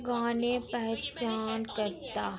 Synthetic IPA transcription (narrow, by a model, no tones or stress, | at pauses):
ɡãːnepɛɦt͡ʃaːnkɐɾt̪aː